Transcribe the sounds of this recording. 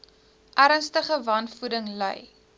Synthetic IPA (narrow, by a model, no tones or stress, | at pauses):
ʔæɾənstəχəvɐnfudəŋlə̰j